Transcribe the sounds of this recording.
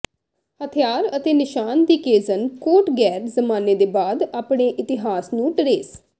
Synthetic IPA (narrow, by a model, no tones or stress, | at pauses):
hət̪ʰjaːɾət̪eːnɪʃaːnd̪iːkeːzənkoːʈɡɛːɾzəmaːneːd̪eːbaːd̪aːpɽeːʔɪt̪ɪɦaːsnũːʈɾeːs